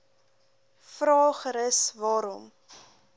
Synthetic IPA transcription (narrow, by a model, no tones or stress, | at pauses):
fɾɑːχɾəsvɑːɾɔm